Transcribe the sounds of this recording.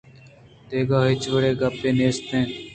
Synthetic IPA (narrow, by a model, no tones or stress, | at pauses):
t̪eːɡaːɦɪt͡ʃʋəɽeːɡapeːneːst̪ẽː